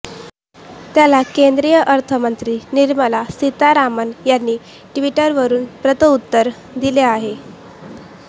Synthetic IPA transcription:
t̪jalakend̪ɾijəʔəɾt̪ʰəmənt̪ɾiːniɾməlasit̪aɾamənjanːiː | ʈʋiʈəɾʋəɾuːnpɾət̪əut̪ːəɾ | d̪ileaɦe

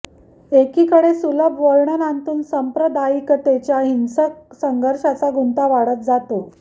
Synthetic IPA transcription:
ekiːkəɽesuləbʋəɭɳənant̪uːnsəmpɾəd̪aikət̪et͡ɕjaɦinsək̚səŋɡəɾʂat͡saɡunt̪aʋaɽət̪̚d͡zat̪o

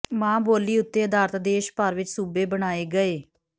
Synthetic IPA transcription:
mãːboːliːʊt̪ːeːəd̪aːɾt̪d̪eːʃpəɾʋɪt͡ʃsuːbeːbəɽaːeːɡəeː

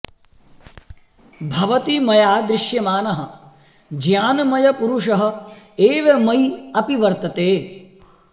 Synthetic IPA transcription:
bʱɐʋɐt̪imɐjaːd̪ɾɪʃjɐmaːnɐɦɐ̆ | d͡ʒjaːnɐmɐjɐpuɾuʂɐɦɐ̆eːʋɐmɐjɐpiʋɐɾt̪ɐt̪eː

